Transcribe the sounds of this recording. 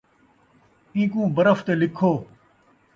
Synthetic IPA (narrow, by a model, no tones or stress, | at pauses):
ĩːkũːbəɾəft̪eːlɪkʰoː